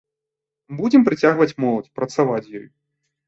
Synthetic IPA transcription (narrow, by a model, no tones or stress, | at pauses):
bud͡zʲɛmpɾɨt͡sʲaɣvɐt͡sʲmɔlˠɐtʲpɾɐt̪savat͡sʲjɔj